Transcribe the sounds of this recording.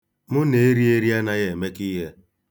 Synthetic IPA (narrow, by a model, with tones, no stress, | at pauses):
mʊ˦ne˨˦ɾi˦e˦ɾi˦a˦na˨ɣe˨me˦ki˦ɦe˦